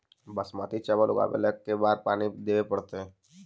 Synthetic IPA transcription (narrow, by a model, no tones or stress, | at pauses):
bəsmaːt̪it͡ʃabalʊɡa̰ːbḛlekːebaːɾpaːnid̪eːʋepəɽt̪eɦɛ̃